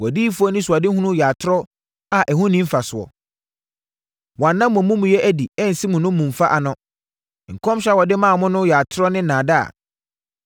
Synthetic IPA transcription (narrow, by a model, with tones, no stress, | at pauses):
wɔ˨di˦fʊ˦ɔ˦nɪ̃˦sʊ˨a˨dɪ˦hũ˦nʊ̃˦ja˨tʰʊ˦ɾɔ˦ | a˨ʔɛ˨hʊ̃˦nĩ˦m̩˦fa˨sʊ˨ɔ̰˨ | wɔ̃˨nːã˦mːʊ̃˨mũ˦m̃˨jɛ˦ʔæ˨di˨ɛ˦n̩˨si˦mʊ̃˨nʊ̃˦mũ˨m˨fa˦ʔa˨nʊ̃˦˨ | ŋ̩˨kʰɔ̃˦mɕᶣa˦wɔ˨dɪ˦mãː˦˨mʊ̃˦nʊ̃˦jaː˨tʰʊ˦ɾɔ˦nɪ̃˦nãː˨da˦a̰˨